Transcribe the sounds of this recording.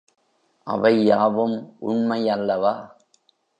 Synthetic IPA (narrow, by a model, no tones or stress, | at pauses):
ʔɐ̰ʋɐɪjaːʋɯmʔʊɳmɐjɐlːɐʋaː